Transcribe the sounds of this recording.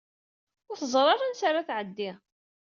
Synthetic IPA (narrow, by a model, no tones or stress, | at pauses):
ʊɾθəzˤɾˤɑɾˤansaɾaθʕəd̪ːi